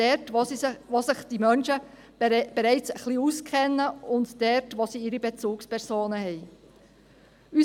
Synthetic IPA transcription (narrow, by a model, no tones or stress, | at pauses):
ɛtoʋosɪχd̥imœnʃə | b̥eɾɛɪt͡səχliuskʰɛnːəʊndd̥ɛɾtʋosiɪɾibet͡suːkspɛɾsoːnəhɛɪ | y